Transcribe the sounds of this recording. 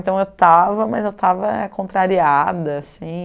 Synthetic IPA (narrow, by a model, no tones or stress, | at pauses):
t̪ɐ̃w̃ewwt̪avɐmɐzewt̪avɐɛkõnt̪ɾaɾiad̪ɐasĩ